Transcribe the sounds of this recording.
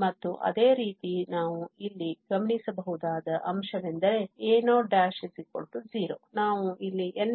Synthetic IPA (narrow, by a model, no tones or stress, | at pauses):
mɐt̪ːuʔɐ̰d̪e̞ːɾiːt̪inaːʋuilːiɡɐmɳisɐbɐɦud̪aːd̪ɐʔɐmʃɐʋend̪ɐɾe̞eːnoːɖaːʃɐsiko̰ɭʈud͡ʒiːɾo̰ːnaːʋuilːiʔen